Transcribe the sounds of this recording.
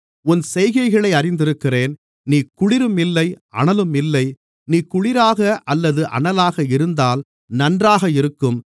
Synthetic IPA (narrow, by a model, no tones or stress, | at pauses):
ʊnsɛjɣɐɪɣɐɭɐɪɐɾɪnd̪ɪɾɯkːɪreːn | niːkʊɻɪɾɯmɪlːɐɪʔɐ̰ɳɐlɯmɪlːɐɪ | niːkʊɻɪɾaːɣɐʔɐlːɐðɯʔɐ̰ɳɐlaːɣɐɪɾɯnd̪aːl | nɐndraːɣɐɪɾɯkːɯm